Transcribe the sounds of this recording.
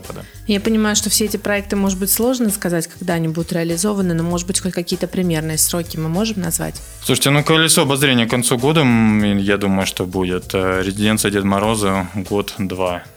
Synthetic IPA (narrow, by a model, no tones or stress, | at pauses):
apəd̪ə | japənʲɪmajʊʂt̪o̞fsʲeetʲɪpɾɐɛk̚t̪ɨmo̞ʐɨd̪̚bɨtʲslˠo̞ʐnəskɐzatʲkɐ̥ɡd̪aɐnʲibud̪ʊt̪ɾʲɪɐlʲɪzo̞vənɨnomo̞ʐɨd̪bɨtʲxotʲkɐkʲijət̪əpɾʲɪmʲe̞rnɨjəsɾo̞kʲɪmɨmo̞ʐɨmnɐzva̰tʲ | sˠuʂɨ̥tʲɪnukəlʲɪt̪soɐbɐzɾʲenʲɪjəkɐnt̪suɡo̞d̪əjad̪uməjʊʂt̪obudʲɪt̪ːɾʲɪzʲɪdʲent̪sɨjədʲet̪mɐɾo̞zəɡo̞t̪d̪va